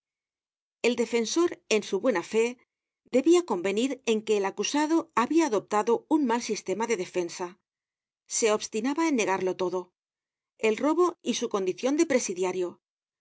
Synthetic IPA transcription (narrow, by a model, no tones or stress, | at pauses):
e̞ld̪e̞fe̞nso̞ɾe̞nsuβwe̞nafe̞ | d̪e̞βiako̞mbe̞niɾe̞ŋke̞ːlakusaðo̞aβiaːðo̞p̚t̪aðo̞unmalsist̪e̞maðe̞ðe̞fe̞nsa | se̞o̞βst̪inaβaenːe̞ɣ̞aɾlo̞t̪o̞ðo̞ | e̞lro̞βo̞isuko̞nd̪iθjo̞nd̪e̞pɾe̞siðjaɾjo̞